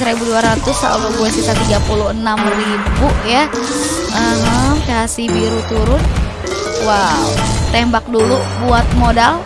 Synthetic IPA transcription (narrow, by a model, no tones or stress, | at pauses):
səɾebuduaɾat̪ʊsa̰luɡuɛsit̪at̪iɡapuluhənamribuʔja | ʔəɦəmkasibiɾut̪uɾʊn | waut̪embak̚dulubuat̪̚modal